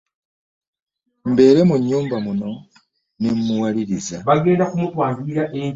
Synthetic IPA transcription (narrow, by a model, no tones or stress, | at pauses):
mbe̞ːɾe̞muɲːuːmbamuno̞ | nemmuwaliɾizaβaɡe̞ːndakumutwaːmbiiɾaʔeɲ